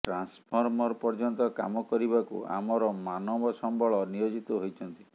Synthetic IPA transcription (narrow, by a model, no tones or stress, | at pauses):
ʈɾanspʰɔɾmɔɾpɔɾd͡ʒɔnt̪ɔka̰mɔkɔɾibakṵa̰mɔɾɔmanɔbɔsɔmbɔɭɔnijod͡ʒit̪ɔɦojt͡ʃʰɔnt̪i